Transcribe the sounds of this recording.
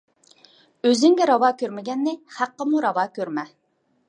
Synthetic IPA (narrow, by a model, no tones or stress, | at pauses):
øzyŋɡʲɛɾɑwɑːkʲøɾmɪɡʲɛnːɪhæqːəmuɾɑwɑːkʲøɾmɛ